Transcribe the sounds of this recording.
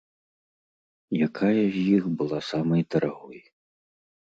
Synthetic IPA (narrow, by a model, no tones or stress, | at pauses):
jakʰajɐzʲjixbɨlˠasamɐjt̪ɐɾaɣɔj